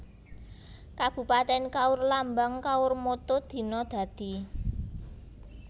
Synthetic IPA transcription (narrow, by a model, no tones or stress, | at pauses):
kab̥ṳpat̪ɛnkaʊrlambaŋkaʊrmot̪od̪̥i̤nɔd̪̥ä̤d̪̥i̤